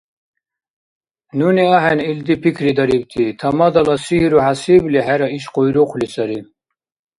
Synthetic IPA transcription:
nuniaɦɛnild̪ipʰikʰɾid̪aɾibt̪ʰit̪ʰamad̪alasihiɾuhasibliɦæɾaiʃqʼɔjɾɔqʰʷlisaɾi

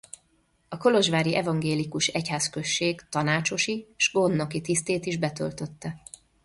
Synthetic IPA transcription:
ɒko̞lo̞ʒʋaːɾiʔɛvɒŋɡeːlikuʃɛchaːskø̞ʃːeːɡt̪ɒnaːt͡ʃo̞ʃiʃɡo̞nːo̞kit̪ist̪eːt̪iʒbɛt̪ø̰lt̪ø̞t̪ːɛ

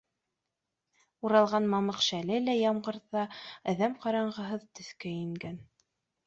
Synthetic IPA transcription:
uɾɑlˠʁɑnmɑmɤqʃælɘlæjɑmɢɤ̆ɾðɑæ̆ðæmqɑɾɑɴʁɤ̆ɦɤðt̪ɵ̆θkæjĭŋɡæn

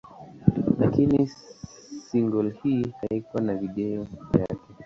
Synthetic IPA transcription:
lakini | siŋɡɔlhiːhaikwanaviɗɛɔvjakɛ

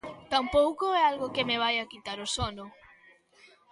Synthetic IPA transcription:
t̪ampowkoɛalɣʊkɪmeβ̞ajakit̪aɾosɔnʊ

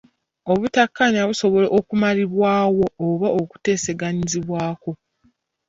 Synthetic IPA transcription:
o̞βutakːaɲaβuso̞βo̞le̞ʔokumaliβwaːwo̞ːβaʔoku̥te̞ːse̞ɡaɲiziβwaːko̞

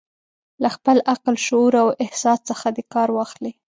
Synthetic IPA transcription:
laxpəlʔaqlʃʊuɾawɪhsɑst͡səxad̪ekɑɾwɑxli

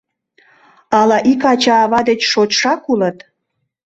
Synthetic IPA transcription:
ɑlɑʔikɑt͡ɕɑːβɑd̪et͡ɕʃot͡ɕʃɑkulət̪

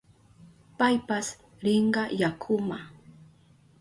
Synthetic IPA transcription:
pajpas | ɾɪɴɢɑjakʰʊma

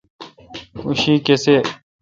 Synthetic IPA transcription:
uɕiːkese

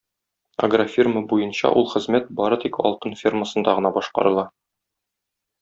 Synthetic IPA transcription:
ɐ̰ɡrafʲirməbujɤnɕɑ̰ʔulˠχɘ̆zmæt̪̚bɒɾɤt̪ikɒ̰lˠt̪ɤnfʲirməsɤ̆nd̪ɑʁɤ̆nɑbɒʃqɑ̰ɾɤ̆lˠɑ

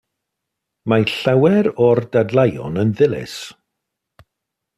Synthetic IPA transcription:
maɬawɛɾɔrdadlˠajɔ̰nənðɪlɪ̰s

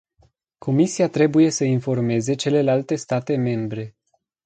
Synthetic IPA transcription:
kʰo̞misiat̪ɾe̞buje̞səinfo̞rme̞ze̞t͡ʃe̞le̞lalt̪e̞st̪at̪e̞me̞mbɾe̞

